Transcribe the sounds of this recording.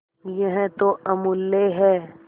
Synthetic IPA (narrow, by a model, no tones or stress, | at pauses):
jəɦɛ̃t̪oʔɐmʊlːeɦɛː